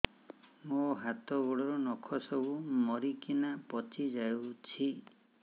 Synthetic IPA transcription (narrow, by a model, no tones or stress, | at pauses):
moɦat̪ɔɡuɽɔɾɔnɔkʰɔsɔbumɔɾikinapɔt͡ʃʰid͡ʒajut͡ʃʰi